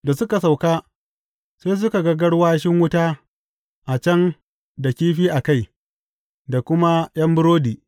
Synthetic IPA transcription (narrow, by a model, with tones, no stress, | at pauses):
da˨sʊ˦ka˨sa˨wkaː˦ | seː˦s̬ʊ˦ka˨ɡɐ˦ɡɐ˦ɽwaː˦ʃɪ˦ŋwʊ˦taː˦ | ʔa˨t͡ʃɐ˦n | da˨kʲiː˦ɸiː˦ʔa˨ka˦˨j | da˨kʷʊ˦ma˦j̰ɐ˦mbʊ˦ɾoː˦diː˨